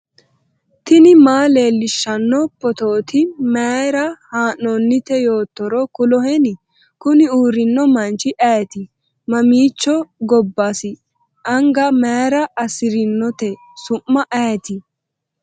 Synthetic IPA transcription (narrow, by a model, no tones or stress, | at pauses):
t̪ɪnɪmaːle̞ːlːɪʃːɐnːɔpːɔt̪oːt̪ɪmeːɾɐhaːnːɔnːɪt̪ɛjo̞ːt̪ːɔɾɔkʊlɔɦɛnɪ | kʊnɪuːɾɪnːɔmɐnt͡ʃɪʔɐjt̪ɪ | mɐmiːt͡ʃːɔɡɔbːɐsɪ | ʔɐŋɡɐmeːɾɐɐsɪɾɪnːɔt̪ɛ | sʊmːɐʔɐjt̪ɪ